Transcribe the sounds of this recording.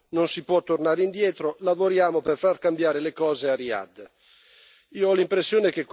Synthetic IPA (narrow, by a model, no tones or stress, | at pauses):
nonsipwɔt̪ːornaːɾeind̪jɛːt̪ɾolavoɾjaːmoperfarkambjaːɾelekɔːzearia̰d̪ | iːoɔlimpɾesːjoːnek̟ek